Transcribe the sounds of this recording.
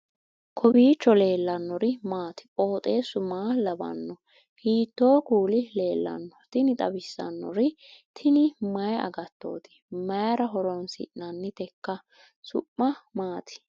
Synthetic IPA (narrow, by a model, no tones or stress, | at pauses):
kʰɔbiːt͡ʃːɔle̞ːlːɐnːɔɾɪmaːt̪ɪ̥ʔʼo̞ːt̪ʼe̞ːsʊmaːlɐbɐ̰nːɔ | hiːt̪ːo̞ːkuːlɪle̞ːlːɐ̰nːɔt̪ɪnɪt̪ʼɐbɪsːɐ̰nːɔ̰ɾɪt̪ʰɪnɪmɐjɐ̰ɡɐt̪ːo̞̰ːt̪ɪ̥mɐjɐɾɐɦɔɾɔnsɪ̰ʔnɐnːɪt̪ɛkːɐ | sʊ̰pːɐmaːt̪ʰɪ̥